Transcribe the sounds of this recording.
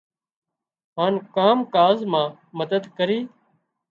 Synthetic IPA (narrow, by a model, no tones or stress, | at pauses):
ɦaːnkaːmkaːzmãː | məd̪əd̪kəɾiː